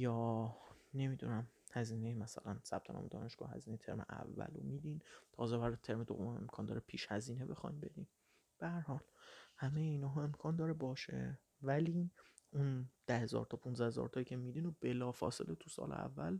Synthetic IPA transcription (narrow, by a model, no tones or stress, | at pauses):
jɒː | ne̞mid̪ṵnæmhæziːnejemæsæ̰lænsæb̥t̪ʰonɒ̰ːmed̪ɒ̰ːneʃɡ̥ɒ̰ːhæ̰ziːnejet̪ʰe̞̰ɾmḛʔæ̰vːæ̰lo̰miːd̪int̪ʰɒːzebæɾt̪ʰe̞ɾmed̪o̰vome̞mkʰɒːnd̪ɒːɾepʰiːʃhæziːnebexɒjnbe̞d̪in | b̥ehæɾhɒːlhæmejeiːnɒːɦːe̞mkʰɒːnd̪ɒːɾebɒːʃḛ | væli | und̪̥æhe̞zɒ̰ːɾt̪ʰɒːpʰũnzæhe̞zɒ̰ːɾt̪ʰɒjicʰe̞mid̪inob̥e̞lɒːfɒ̰ːse̞̰let̪ʰusɒ̰ːlḛæ̰vːæ̰l